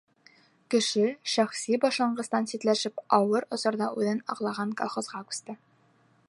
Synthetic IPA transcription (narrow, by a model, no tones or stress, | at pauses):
kɘ̆ʃɘʃæχsibɒʃɑɴɢɤ̆st̪ɑnsit̪læʃɘpɒwɤɾŏsɤ̆ɾd̪ɑʔʉðɘnɒ̰qlˠɑʁɑŋkolˠχozʁɑkʉ̥st̪ɘ